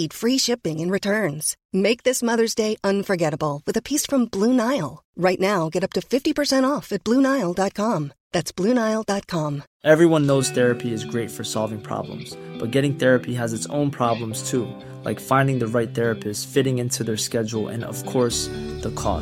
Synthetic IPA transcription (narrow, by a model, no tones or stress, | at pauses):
id̥fɹiʃɪpɪ̃ŋɨ̃nɹɨtʰɜ̃˞nz̥ | meɪk̚ðɪsmʌðə˞zdeɪʔʌ̃nfə˞ɡɛɾəbl̩ˠwɨðɨpʰisfɹʌ̃mblũnaɪl̩ˠɹaɪtⁿnaʊɡɛɾʌp̚tɨfɪftipə˞sɛ̃ɾ̃tɔfɨt̚b̥lũnaɪl̩ˠdɑt̚kʰɑ̃mðætsb̥lʉ̃naɪl̩ˠdɑt̚kʰɑ̃m | ʔɛvɹiwʌ̃nːoʊz̥θɛɹɨpʰiɨzɡɹeɪtfə˞sɑ̰lˠvɪ̃ŋpʰɹ̥ɑ̰blə̰̃mz̥b̥ʌt̚ɡ̥ɛɾɪ̃ŋθɛɹɨpʰiɨzɨtsõ̰ʊ̃npʰɹ̥ɑblə̃mz̥tʰu | la̰ɪkfãɪ̃ndɪ̃ŋðɨɹaɪt̪̚θɛɹɨpʰɨssfɪɾɪ̃ŋɪ̃ntʰʉðə˞skɛd͡ʒl̩ˠɨ̰̃nʌ̰v̥kʰɔɹsðəkʰɔ̰